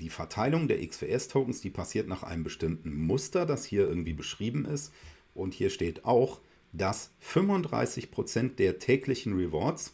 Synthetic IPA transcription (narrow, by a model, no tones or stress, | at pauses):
d̥iːfɛɐtʰaɪlʊŋdeːɐʔɪksv̥ḛːʔɛstʰoʊkŋ̩sd̥iːpʰasiːɐtnaːχʔa̰ɪnəmbəʃtɪmtn̩mʊstɐdashiːɐʔɪɐɡŋ̩tv̥iːbəʃʁ̥iːbm̩ʔɪst | ʔʊnthiːɐʃteːtaʊx | d̥asfʏmvʊndʁa̰ɪsɪçpʁ̥ot͡sɛnt̚d̥eːɐtʰɛːklɪçn̩ʁɛvɔɐs